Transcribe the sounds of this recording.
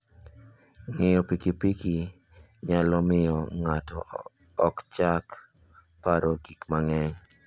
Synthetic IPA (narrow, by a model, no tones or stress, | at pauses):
ŋɪjɔpikipiki | ɲalɔmɪjɔŋatɔ̰ː | kt͡ʃak | paɾɔɡikmaŋɛɲ